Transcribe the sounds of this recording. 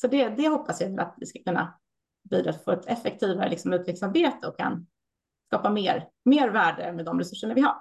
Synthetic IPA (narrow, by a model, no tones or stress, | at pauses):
sɔd̪ɛd̪ɛhɔpːasjavəlʔa̰t̪vɪskḁkʰɵnːa̰ | biːd̪ɾɑːt̪foːɛt̪ʰɛfɛk̚t̪ʰiːvaɾə̰lɪksɔmʉ̟ːt̪ʰvɪklsaɾbeːt̪əɔkʰːa̰n | skɑːpameːɾ | meːɾvæːɖəmɛd̪ɔmɾɛsɵʂːəɳavɪha̰ɾ